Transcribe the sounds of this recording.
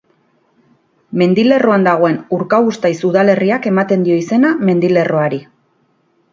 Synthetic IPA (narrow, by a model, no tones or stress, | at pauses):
me̞nd̪ile̞ro̞and̪aɣ̞o̞e̞nuɾkaɣust̪ajsuðale̞riake̞mat̪e̞nd̪io̞ise̞name̞nd̪ile̞ro̞aɾi